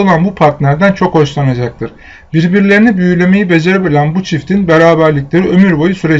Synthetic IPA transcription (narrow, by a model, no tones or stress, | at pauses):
olˠanbupʰaɾt̪lʲæɾd̪ænt͡ʃʰo̞kho̞ʃlˠanad͡ʒak̚t̪ʰɯɾ̥ | biɾbiɾlʲe̞ɾinibyjylʲe̞me̞jibe̞d͡ʒe̞ɾebilʲænbut͡ʃʰift̪ʰinbeɾaːbæɾlʲicʲlʲe̞ɾiø̞myɾbo̞jusyɾe